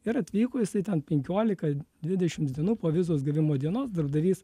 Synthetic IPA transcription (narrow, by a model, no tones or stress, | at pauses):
ɪɾɐt̪ʲʋʲiːkoːjɪsɐɪt̪ʲɛnpʲɛŋʲkʲoːlʲɪkɐd̪ʲʋʲɪd̪ʲɛʃʲɪmtd̪ʲiɛnuːpoːʋʲɪzoːs̬ɡʲɪɾʲʋʲɪmoːd̪ʲiɛnoːsd̪ɐɾbd̪ɐʋʲiːs